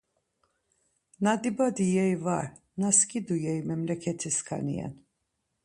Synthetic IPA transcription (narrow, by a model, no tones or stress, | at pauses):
nad̪ibad̪ijɛjvaɾ | naskʼid̪ujɛjmɛmlɛkʰɛt̪ʰiskʰa̰nḭɛ̰n